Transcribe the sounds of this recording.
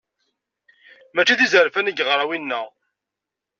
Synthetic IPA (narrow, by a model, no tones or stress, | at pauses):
mæt͡ʃːiθizəɾfænəɡʁɾˤɑwinːæ